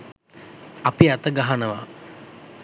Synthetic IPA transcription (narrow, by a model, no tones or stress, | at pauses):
apiat̪əɡaɦanəʋa̰